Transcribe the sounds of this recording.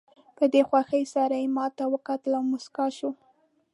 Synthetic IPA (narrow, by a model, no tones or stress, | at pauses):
pəd̪exwaxəjsaɾajemɑt̪awəkɑt̪əlawmʊskɑʃu